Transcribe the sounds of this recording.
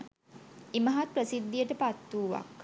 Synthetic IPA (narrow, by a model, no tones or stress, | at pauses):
iməɦat̪̚prəsid̪ːijəʈəpat̪ːuːʋa̰k